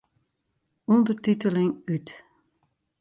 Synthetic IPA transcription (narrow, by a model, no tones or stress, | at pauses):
ɔnd̪ərt̪it̪ələŋyt̪